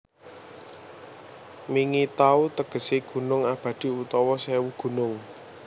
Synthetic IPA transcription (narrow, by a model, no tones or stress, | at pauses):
miŋit̪aut̪əɡ̥ə̤seɡ̥ṳnʊŋab̥ä̤d̪̥i̤ut̪ɔwɔsɛwuɡ̥ṳnʊŋ